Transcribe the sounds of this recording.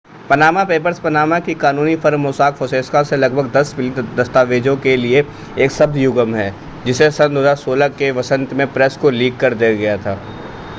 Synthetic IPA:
pɐnaːmapeːpəɾspɐnaːmakikaːnuːnifɐɾmʊsaːkfoseːskaselɐɡ̚bʱəɡd̪ɐsbɪlid̪ɐst̪aːʋeːd͡ʒõkelie | eːksɐb̚d̪jʊɡəmɦɛː | d͡ʒɪsesɐ̃nd̪oɦəzaːɾsoːlakeʋɐsə̃nt̪mẽpɾɛskoliːɡkɐɾd̪eːɡɐjat̪ʰaː

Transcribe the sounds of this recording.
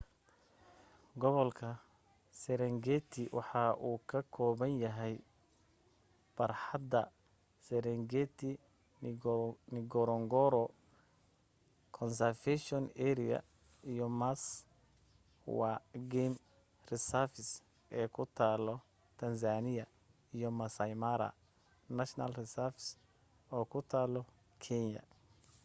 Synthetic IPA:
ɡɔβɔlkʰɐ | sɛɾɛŋɡɛt̪ʰɪwɑ̰ħɑːʔuːkʰɐkʰɔːβɐnjɐɦɛj | b̥ɐrħɑd̪ɐ | sɛɾɛŋɡɛt̪ʰɪ | nɪɡɔɾɔŋɡɔɾɔ | kʰɔnsɐrfɛʃɔnɛɾɪɐ̰ | ijɔmas | waɡɛm | rɪsafɪs | ɛːkʰʊt̪ʰaːlɔ | t̪ʰɐns̬aːnɪjɐ | ijɔmɐsɐjmaɾɐ̰ | nɐʃna̰lrɪsafɪ̥s | ɔːkʰʊt̪ʰaːlɔ | kʰɛnjɐ̰

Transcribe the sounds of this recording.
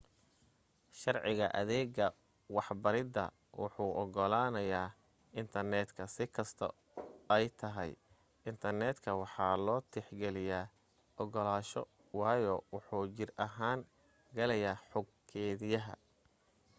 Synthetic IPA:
ʃɑrʕɪɣɐ̰ʔɐ̰ðɛːɡɐ | wɑħbɐɾɪd̪ɐ̰ | wʊ̰ħuːʔɔɡɔlaːnɐjaː | ɪnt̪ʰɐrnɛːd̪kʰɐsɪkʰɐst̪ʰɔ̰ | ɛjt̪ʰɐɦɛ̰j | ɪnt̪ʰɐrnɛːd̪kʰɐwɑħɑːlɔːt̪ʰɪħɡɛlɪjaː | ʔɔɡɔlaːʃɔ̰ | wɑːjɔwʊħuːt͡ʃɪrɐɦaːŋ | ɡɐlɛjaːħɔɡ | kʰɛːðɪjɐɦɐ̰

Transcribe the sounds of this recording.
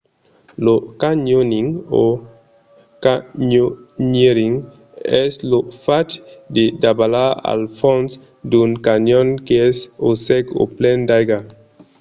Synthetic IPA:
lokaɲoniŋo | kaɲoɲeɾiŋ | ɛslofatdidabalaa̰lfɔns | dunkanɔnkɛsosɛko̰plɛndajɡa

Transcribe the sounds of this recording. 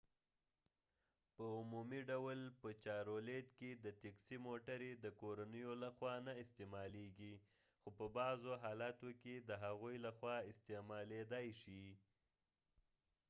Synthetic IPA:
pəʊmumiɖawlpət͡ʃɑɾoled̪ked̪ət̪eksimoʈaɾed̪əkoɾanəjolaxwɑnaɪst̪emɑleɡi | xopəbɑzoɦɑlɑt̪oked̪əɦaɣujlaxwɑɪst̪emɑled̪ɑjʃi

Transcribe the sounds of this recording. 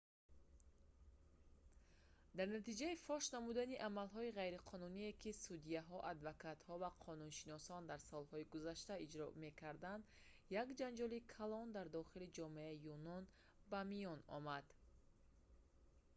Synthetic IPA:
d̪aɾnat̪id͡ʒaifɔʃnamud̪aniʔamalɦɔiʁajɾiqʰɔnunie̞kisud̪iaɦɔʔad̪vakat̪hɔvaqʰɔnunʃinɔsɔnd̪aɾsɔlhɔiɡuzaʃt̪aid͡ʒɾɔ̰me̞kʰaɾd̪and̪ | jakd͡ʒand͡ʒɔlikʰalɔnd̪aɾd̪ɔχilid͡ʒɔmeaijunɔn | bamijɔnɔ̰mad̪

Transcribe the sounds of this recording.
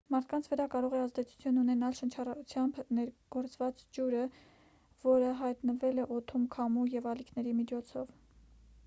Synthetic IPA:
mɑɾt̪̚ʰkɑnt͡sʰvəɾɑkɑɾɔʁɛɑzd̪ɛt͡sʰu̥t͡sʰjununɛnɑlʃənt͡ʃʰɑrɑut͡sʰjɑmbnɛɾɡ̥ɔɾt͡svɑt͡sd͡ʒuɾə | vɔɾəɦɑjt̪nəvɛlɛʔɔt̪ʰumkʰɑmujɛvɑlikʰnɛɾimit͡ʃʰɔt͡sʰɔ̰v

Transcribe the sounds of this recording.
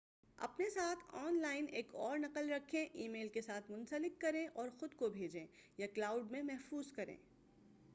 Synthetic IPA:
ɐ̰pnesaːt̪ʰɔːnlaːɪneːkɔːɾnɐqəlɾɐkʰːẽʔiːmeːlkesaːt̪ʰmʊ̃nsəlɪkːɐɾẽʔɔːɾxʊd̪kobʱeːd͡ʒẽː | jaklaːʊɖmẽmɛɦfuːzkɐɾḛ̃ː

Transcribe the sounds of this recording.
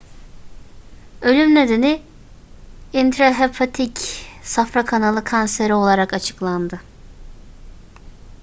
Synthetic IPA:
ø̞lʲymne̞d̪eni | int̪ʰɾaɦepʰat̪ʰicsafɾakʰanalˠɯkʰanseɾio̞lˠaɾakat͡ʃʰɯ̥klˠand̪ɯ

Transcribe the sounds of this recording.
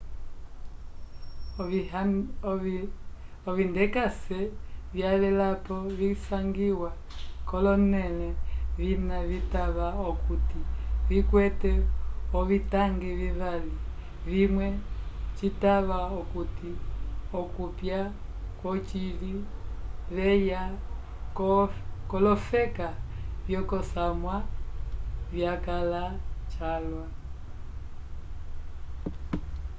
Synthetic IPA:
ɔβindɛkasɛvjalɛlapɔβisaŋɡiwa | kɔlɔnɛlɛβinaβitaβaɔkutiβikwɛtɛɔβitaŋɡiβiβali | βimwɛt͡ʃitaβaɔkutiɔkupja | kwɔt͡ʃili | βɛja | kɔlɔfɛkavjɔkɔsamwa | vjakalat͡ʃalwa

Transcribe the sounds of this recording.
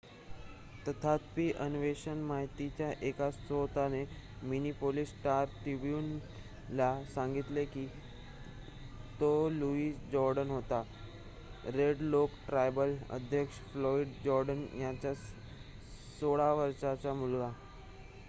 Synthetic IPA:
t̪ət̪ʰat̪piːʔənʋeɕənmaɦit̪it͡ɕjaʔekat͡sot̪aneminipolisʈaɾt̪ɾibjun | lasãŋɡit̪leki | t̪oluiːsd͡ʑɔɾɖənɦot̪a | ɾeɖlokʈɾajbələ̰d̪ʱjəkʂflɔiɖd͡ʑɔɾɖənjat͡ɕja | soɭaʋəɾʂat͡ɕamulɡa

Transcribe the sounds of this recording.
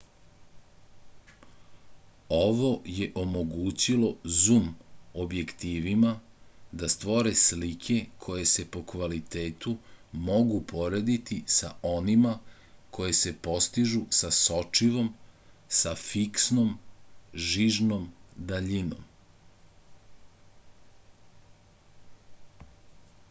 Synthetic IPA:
o̞ʋo̞jeʔo̞mo̞ɡuːt͡ɕilo̞zumobje̞kt̪iːʋimad̪ast̪ʋo̞ɾe̞slikʰe̞kʰo̞je̞se̞po̞kʋalit̪e̞ːt̪umo̞ɡupʰo̞ɾed̪it̪isa̰ʔo̞nima | kʰo̞je̞se̞po̞st̪iʒusaso̞t͡ʂiʋo̞msafiksnom | ʒiʒnomd̪aʎino̰m

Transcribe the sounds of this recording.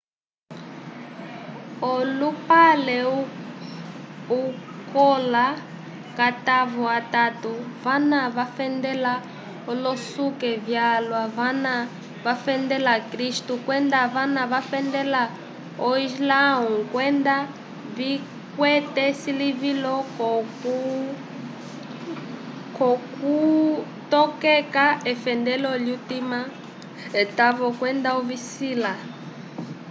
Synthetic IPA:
ɔlupalɛ | ukɔla | kat̪aβɔat̪at̪uβanaβafɛnd̪ɛla | ɔlɔsukɛvjalwaβana | βafɛnd̪ɛlakɾiʃtukwɛnd̪aβanaβafɛnd̪ɛla | ɔizlaũkwɛnd̪a | βi | kwɛt̪ɛsiliβilɔkɔku | kɔku | t̪ɔkɛkaɛfɛndɛlɔljut̪ima | t̪aβɔkwɛnd̪aɔβisila

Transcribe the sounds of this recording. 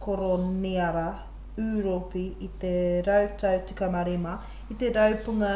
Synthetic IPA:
kʰoɾoniɐɾɐ | ʉːɾopiːt̪eɾɐwt̪ɐwt͡si̥kɐmɐɾimɐ | it̪eɾɐwpuŋɐ

